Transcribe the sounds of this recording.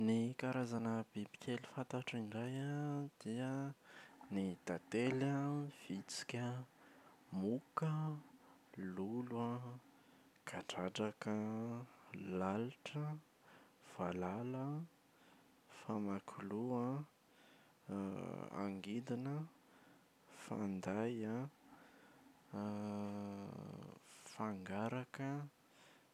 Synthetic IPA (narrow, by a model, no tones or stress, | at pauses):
nikaɾazanəb̥ibi̥kʲʰeli̥fant̪aʈ͡ʂiɳɖ͡ʐajad̪̥iə | nid̪̥at̪eləv̥it͡si̥kʲə | mukə | lulwa | ɡ̥aʈ͡ʂaɖ͡ʐakə | lalʈ͡ʂə | v̥alalə | famakʰulua | a̰ŋɡid̪inə | fa̰nd̪aja | faŋɡaɾakə